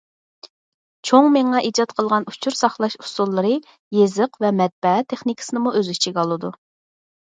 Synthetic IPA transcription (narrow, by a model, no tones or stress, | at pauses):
t͡ʃʰoŋmeŋɑʔid͡ʒɑt̪̚qʰəlˠʁɑnut͡ʃʰuɾsɑχlˠɑʃu̥sulˠːɨɾɨ | jezɨqvɛmɛt̪̚bɛɛt̪ʰːeχnikʰɪ̥sɨnɨmuøzyt͡ʃʰiɡʲɑlˠɨd̪u